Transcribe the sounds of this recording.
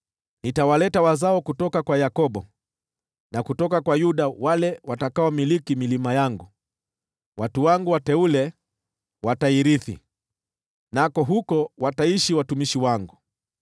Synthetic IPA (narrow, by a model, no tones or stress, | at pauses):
nitawalɛtawazaɔkutɔkakwajakɔɓɔ | nakutɔkakwajuɗawalɛwatakaɔmilikimilimajaŋɡu | watuwaŋɡuwatɛulɛ | wataiɾiθḭ | nakɔɦukɔwataiʃiwatumiʃiwaŋɡu